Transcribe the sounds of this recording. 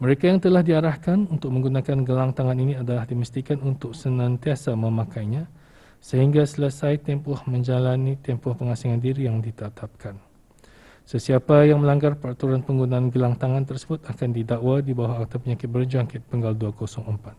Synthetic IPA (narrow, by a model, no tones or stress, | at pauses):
məɾekajaŋt̪əlahdiaɾahkanunt̪ʊk̚mə̃ŋɡunakanɡəlaŋt̪aŋaniniadalahdiməst̪ikanunt̪ʊk̚sənãnt̪iasamə̃mãkajɲã | səɦiŋɡasələsajt̪ɛmpɔhmə̃ɲd͡ʒalanit̪ɛmpɔhpəŋasiŋãndiɾijaŋdit̪ət̪ʰap̚kʰan | səsiapajaŋmə̃laŋɡarpəɾat̪uɾanpəŋɡunaanɡəlaŋt̪aŋãnt̪ərsəbʊt̪akandidaʔwadibawaak̚t̪apəɲakɪt̪̚bərd͡ʒuaŋkɪt̪̚pəŋɡalduakosɔŋəmpat̪̚